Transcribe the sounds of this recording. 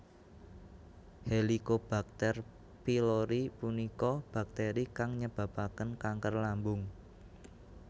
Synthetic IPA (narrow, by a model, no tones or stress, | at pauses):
helikob̥a̤k̚t̪ɛr | piloɾipunikɔb̥a̤k̚t̪eɾikaŋɲəb̥a̤bakənkaŋkərlambʊŋ